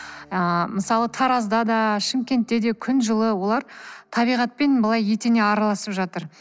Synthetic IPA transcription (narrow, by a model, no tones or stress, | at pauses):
əməsɑlˠət̪ʰɑɾɑzd̪ɑd̪ɑʃɪmkʲe̞nt̪ːe̞d̪e̞kʲʰʏnʒəlˠəwo̞lˠɑɾt̪ʰɑbijʁɑt̪̚pe̞nbəlˠɑjːe̞t̪ene̞ɑɾɑlˠɑsəpʒɑt̪əɾ